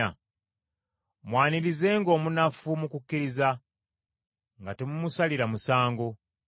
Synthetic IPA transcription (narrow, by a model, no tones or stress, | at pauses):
a | mwaːniɾize̞ːŋɡo̞ːmunafumukukːiɾiza | ŋɡatemumusaliɾamusaːŋɡo